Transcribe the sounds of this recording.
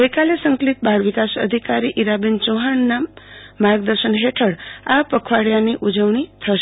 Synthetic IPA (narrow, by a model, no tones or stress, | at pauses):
ɡəjkalesəŋklit̪̚bʱaɾʋikasə̰d̪ʱikaɾiʔiɾabint͡ʃoɦanːamːaɾɡ̚d̪əɾʃənɦeʈʰəɽapəkʰʋaɽjaniʔud͡ʒəʋɳ̃it̪ʰəʃe